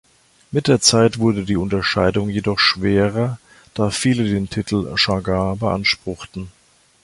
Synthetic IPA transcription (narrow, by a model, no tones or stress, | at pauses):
mɪt̚d̥eːɐt͡saɪtv̥ʊɐdədiːʊntɐʃaɪdʊŋjedɔχʃv̥eːʁɐ | d̥aːfiːlədeːntʰɪtʰl̩ʃaɡaːbəʔa̰nʃpʁ̥ʊχtn̩